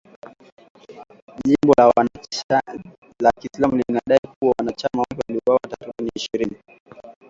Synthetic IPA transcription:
ʄimbɔla | lakislamulinaɗaikuwawanat͡ʃamawapɛwaliɔwawatatuiniiʃiɾini

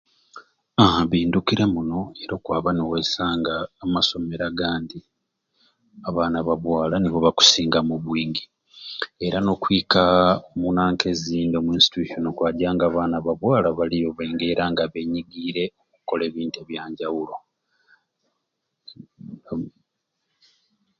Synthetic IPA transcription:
aβiːndukiɾemuno̞e̞ɾo̞ːkwaːβanewesaːŋɡaːmaso̞me̞ɾaɡaːndi | aβaːnaβaβwaːlaniβoβaku̥siːŋɡamuβwiːŋɡi | eɾano̞kwiːkamunaːŋke̞ziːndomuinsi̥tuʃonokwaːɟaːŋɡaːβaːnaβaβwaːlaβalijo̞βeːŋɡe̞ːɾaːŋɡaβe̞ɲiɡiɾe̞okuko̞le̞ːβiːnteβjaːɲɟawulo̞

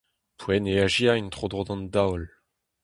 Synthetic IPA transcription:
pʰwɛneaʒiaint̪χod̪ʁod̪ɑ̃nd̪awl

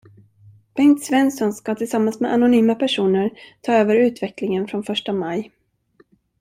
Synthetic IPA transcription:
b̥ɛŋt̪svɛnsɔnskat̪ʰɪlsamːansmɛʔanʊnyːmapʰæʂuːnəɾt̪ʰɑːøːvəɾʉ̟ːt̪vɛklɪŋənfɾɔnfœʂʈamaj

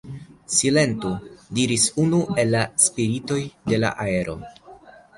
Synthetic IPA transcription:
sile̞ntudiɾisunue̞lːaspiɾito̞jde̞la̰ʔae̞ɾʔo̞̰

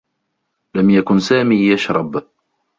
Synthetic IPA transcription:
lamjakʊnsaːmiːjaʃɾˤɑb

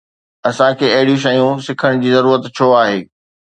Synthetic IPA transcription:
ɐsãkʰeːɐɦɪɽijũʃ̬ɐijũsɪkʰəɽ̃d͡ʑiːzɐɾuːɾət̪t͡ɕʰoaːɦeː

